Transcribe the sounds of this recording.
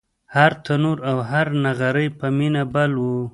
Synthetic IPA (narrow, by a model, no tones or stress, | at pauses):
haɾt̪ʰanuɾawɦaɾnaɣaɾəjpəminabalwu